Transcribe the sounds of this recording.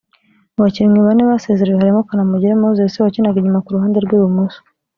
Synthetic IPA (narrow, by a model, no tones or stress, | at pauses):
waciɾimɡiβaneβasezeɾewehaɾimokanamuɟiɾemoozesiwacinaɡiɲumakuɾuɦaːndeɾɡwuːjwumuːsu̥